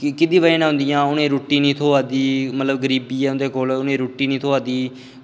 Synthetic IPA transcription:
kɪd̪ĩːʋaẽːnãːɦʊ̃nd̪ijãːʊnẽːɾoːʈːiːnĩːt̪ʰoːaːd̪iːmət̪ləbɡəɾiːbiːɛːʊnd̪eːkoːlʊnẽːɾoːʈːiːnĩːt̪ʰoaːd̪iː

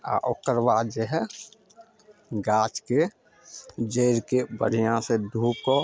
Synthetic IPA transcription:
a̰ʔokəɾʋaːd͡ʒeɦɛ | ɡaːt͡ʃke | d͡ʒeːɾkebə̰ɾijãsed̪ʱuːp̚ko

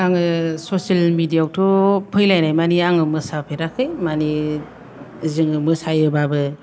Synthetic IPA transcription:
aŋɯsosalmidijawtʰɔpʰɯjlajnajmaniaŋɯmɯsapʰeɾakʰɯjmani | zɯŋɯmɯsajɯbabɯ

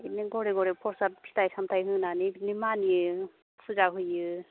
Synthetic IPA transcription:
neɡɔɾeɡɔɾepʰɔɾsatpʰi̥tʰajsʰamtʰajɦɯnaninimani | pʰuzaɦɯjɯ

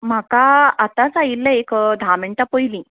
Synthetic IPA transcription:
m̤akaat̪at͡sajilːaekd̪ʱameɳʈapəjlĩ

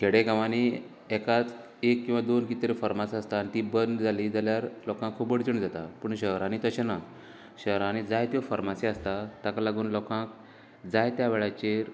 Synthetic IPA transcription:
keɽekaʋani | ɛkat͡s | ekːĩw̃ʋad̪onkit̪ɾefəɾmasast̪anit̪ibənd̪d͡zʱaliːd͡zaljaɾlɔkãŋkʰːubəɽd͡zuɳd͡zat̪apəɳɕəɦɾanit̪əɕena | ɕəɦɾãnid͡zajt̪jofəɾmasiəst̪at̪akalaɡuːnlɔkãk | d͡zajt̪jaʋeɭat͡ɕeɾ

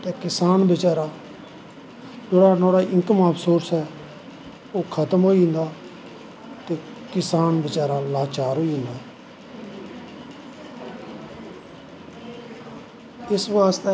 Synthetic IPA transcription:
t̪eːkɪsaːnbət͡ʃaːɾaː | d͡ʒeːɽaːnoːɽaːʔɪ̃ŋkəmaːpʰsoːɾsɦɛː | oːkʰət̪əmɦoːiːɦɪ̃nd̪aː | t̪eː | kɪsaːnbət͡ʃaːɾaːlaːt͡ʃaːɾɦoːiːɦɪ̃nd̪aː | ɪsʋaːst̪eː

